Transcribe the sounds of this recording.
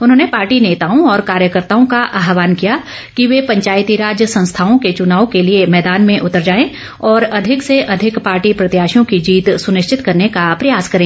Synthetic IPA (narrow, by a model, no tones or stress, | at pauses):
ʊnɦõːnepaːɾʈineːt̪aːõɔːɾkaːɾjəkəɾt̪aːõkaʔaːɦʋaːnkija | kiʋepɐ̃ɲt͡ʃaːjt̪iɾaːd͡ʒjəsɐ̃ñst̪ʰaːõket͡ʃʊnaːõkeliemɛːd̪aːnmẽʔʊt̪əɾd͡ʒaːẽ | ɔːɾɐd̪ʱɪkseʔɐd̪ʱɪkpaːɾʈipɾɐt̪jaːʃjõkid͡ʒiːt̪sʊnɪʃt͡ʃʰɪt̪kɐɾnekapɾɐjaːskɐɾẽː